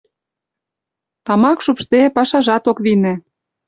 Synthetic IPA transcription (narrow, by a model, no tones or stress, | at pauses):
t̪ɑmɑkʃupʃt̪epɑʃɑʒɑt̪okβinĕ